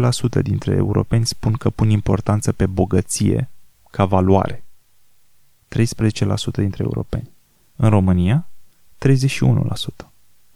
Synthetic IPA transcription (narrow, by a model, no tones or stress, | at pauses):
lasut̪ə̰d̪int̪ɾe̞̰ḛuɾo̞̰pe̞nʲspunkəpunimpo̞̰rt̪ant̪səpe̞bo̞ɡət̪sije̞̰ | kʰavalua̰ɾe̞ | t̪ɾe̞jspɾezet͡ʃe̞la̰sut̪əd̪int̪ɾeṵɾo̞̰pe̞̰nʲ | ɨnro̞mɨnija | t̪ɾe̞jzeʃiunṵlʔa̰sut̪ə̥